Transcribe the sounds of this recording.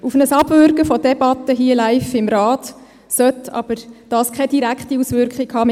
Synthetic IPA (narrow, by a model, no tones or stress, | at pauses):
ufnəsɑb̥vʏɾkəfɔdɛbɑt̪əɦiəlæɪfɪmɾɑːt | sœt̪ɑ̰b̥əɾd̥ɑːskʰɛd̥iɾækχtiusvʏɾkχikhɑː